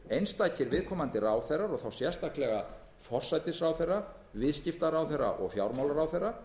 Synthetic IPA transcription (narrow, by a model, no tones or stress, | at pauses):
ejnst̪aːjcʰɪɾvɪðkʰɔːmant̪ɪraːwθɛraɾɔɣθawsjɛ̥st̪ʰak̪lɛɣa | fɔr̥sajt̪ɪsraːwθɛrːa | vɪðscɪft̪aɾawθera̰ʔɔ̰ɣfjawɾmawlaɾawθɛrːa